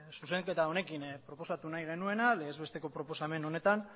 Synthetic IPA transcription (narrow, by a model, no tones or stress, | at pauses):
suse̞ŋke̞t̪ao̞ne̞kinpɾo̞po̞sat̪unajɣ̞e̞nue̞naleːzβe̞st̪e̞ko̞pɾo̞po̞same̞no̞ne̞t̪an